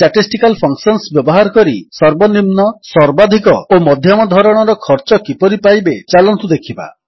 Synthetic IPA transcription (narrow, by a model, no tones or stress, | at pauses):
ʈaʈisʈikalpʰɔŋksɔnsbjɔbɔɦaɾɔkɔɾisɔɾbɔnimnɔsɔɾbad̪ʱikɔomɔd̪ʱjɔmɔd̪ʱɔɾɔɽ̃ɔɾɔkʰɔɾt͡ʃɔkipɔɾipajbet͡ʃalɔnt̪ud̪ekʰiba̰